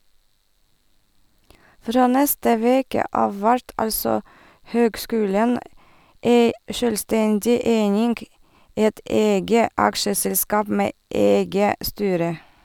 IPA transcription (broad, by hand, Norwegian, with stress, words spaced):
ˈfɾoː ˈnɛstə ˈʋeːkə ˈɑːʋ ˈʋæɾt ˈɑlsɔ ˈhøːɡˌskʉːlɛn ˈeɪ ˈʃøːlˌstɛndɪ ˈeɪnɪŋɡ ˈɛt ˈɛɡə ˈɑkʃəsɛlˌskɑːp ˈmeː ˈɛɡə ˈstyːɾə